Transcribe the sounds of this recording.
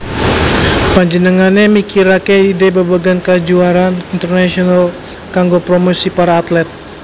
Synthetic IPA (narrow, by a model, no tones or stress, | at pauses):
paɲd͡ʒənəŋanemikiɾakeidebabaɡankad͡ʒuaɾanint̪ərnasiɔnal | kaŋɡopɾomosipaɾaːt̪lɛt̪̚